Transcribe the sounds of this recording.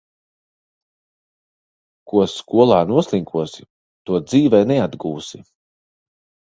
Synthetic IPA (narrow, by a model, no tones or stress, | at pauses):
kuɔskuɔlˠaːnuɔslˠiŋkʰuɔsi | t̪uɔd̪ziːvɛjnɛad̪ɡuːsi